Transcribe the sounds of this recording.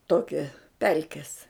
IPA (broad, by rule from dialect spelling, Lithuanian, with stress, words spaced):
ˈtoːkʲɛ ˈpʲɛlʲkʲɛs